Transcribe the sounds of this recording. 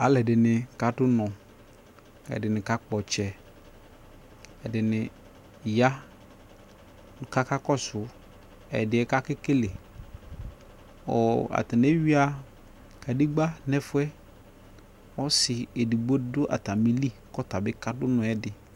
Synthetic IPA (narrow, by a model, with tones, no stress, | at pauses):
a˨lɛ˨dɪ˨nɪ˨ka˨dʊ˦nɔ̃˨ | ɛ̰˨dɪ˨nɪ̃˨ka˦k͡pɔ˨t͡ʃɛ˨ | ɛ˨dɪ˨nɪ̃˨ | ja˦ | nʊ̃˨ka˦ka˦kɔ˦sʊ˨ | ɛ̰˨dɪ˨ɛ˦ka˦kɪ˦ke˦le˨ | ɔ̰˨a̰˨tɪ˨ne˦ɥi˦a˦ | ka˨di˦ɡ͡ba˦nɛ˦fʊ˦ɛ˦ | ɔ˦sɪ˨e˨di˨ɡ͡bo˦dʊ˦ʔa̰˨ta˨mi˨li˦kɔ˦ta˨bɪ˦ka˦dʊ˦nɔ̃˨ɛ˦dɪ˨